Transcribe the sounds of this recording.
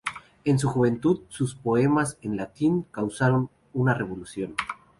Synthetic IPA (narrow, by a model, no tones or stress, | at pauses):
e̞ns̬uxuβe̞nt̪uðsuspo̞e̞mase̞nlat̪iŋkawsaɾo̞n | unare̞β̞o̞lusjo̞n